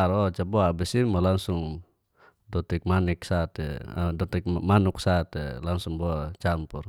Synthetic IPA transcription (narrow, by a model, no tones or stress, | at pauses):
ɾɔt͡ʃabɔaːbɛsinmalaŋsuŋ | dɔt̪ɛk̚manɛk̚sat̪ɛ̰a̰dɔt̪ɛk̚manuksat̪elaŋsuŋbɔat͡ʃampur